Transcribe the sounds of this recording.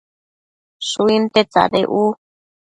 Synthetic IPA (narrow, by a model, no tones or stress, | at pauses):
ʂuint̪et͡sa̰ðeʔu